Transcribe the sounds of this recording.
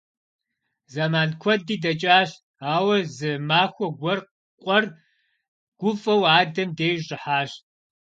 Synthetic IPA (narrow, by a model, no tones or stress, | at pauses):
zɐmaːnkʷʰɔdiːdɐt͡ʃʼaːɕ | aːwɐzɨmaːxʷɔɡʷɔr | qʷʼɔr | ɡ̥ʷʊfʼɐwaːdɐmdeːjʑʼɪħaːɕ